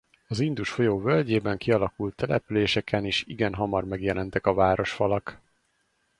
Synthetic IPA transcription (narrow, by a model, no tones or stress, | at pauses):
ɒzind̪uʃfo̞joːvølɟeːbɛŋkiɒlɒkult̪ːɛlɛ̰pyleːʃɛkʰɛniːʃḭɡɛnɦɒmɒrmɛɡjɛlɛnt̪ɛkɒvaːɾo̞ʃfɒlɒk